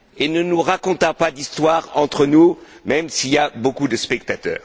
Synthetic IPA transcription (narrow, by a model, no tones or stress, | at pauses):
enənuʁakɔ̃t̪ɑ̃pad̪ist̪waʁɑ̃t̪χənumɛmsiljabokud̪əspɛkt̪at̪œ̰ːʁ